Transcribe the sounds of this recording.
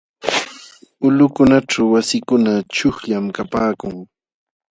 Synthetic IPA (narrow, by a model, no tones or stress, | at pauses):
ʊlʊkʊnaʈ͡ʂawwasɪkʊnat͡ʃʊχʎamkapaːkʊŋ